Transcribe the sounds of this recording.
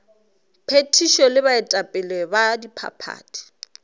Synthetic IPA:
pʰetʰiʃɔlɪβaɪtʼapʼɛlɛbadipʰa̰pʰa̰ːtʼi̥

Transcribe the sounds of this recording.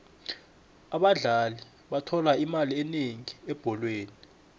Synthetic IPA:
aɓaɮali | ɓatʰɔlaimaliɛneŋiɛb̥ʱɔlweːni

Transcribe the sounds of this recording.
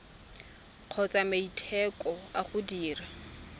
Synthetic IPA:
q͡χʰɔt͡sʼameitʰɛkʼɔaχʊdiːra

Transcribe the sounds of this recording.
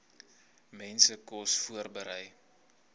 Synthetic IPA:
mɛnsəkɔsfuərbəɾəj

